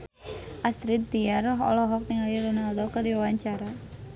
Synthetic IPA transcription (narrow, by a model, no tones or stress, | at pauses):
ʔast̪ɾit̪̚d̪iarɔɦɔ̰lɔɦɔk̚niŋaliɾɔnaldokərdiwawaɲt͡ʃaɾa